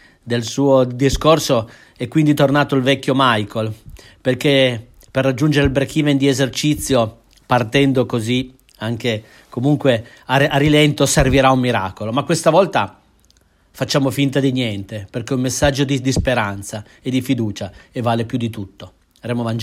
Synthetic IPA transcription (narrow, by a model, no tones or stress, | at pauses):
d̪elsuːod̪iskorso | ɛkːwind̪it̪ornaːt̪oilvɛkʲːjomajkol | perk̟e | perːad͡ʒːund͡ʒeɾeilbɾekʰivend̪iezert͡ʃit̪sːjo | part̪ɛnd̪okozi | aŋk̟e | komuŋkwe | aarilɛnt̪oserviɾaumːiɾa̰ːkolomakːwest̪avɔlt̪a | fat͡ʃːaːmofint̪̬ad̪iɲjɛnt̪eperk̟ɛummesːad͡ʒːod̪id̪ispeɾant̪sa | ed̪ifid̪uːt͡ʃaevːaːlepjud̪ːit̪ut̪ːo | aɾemovand͡ʒ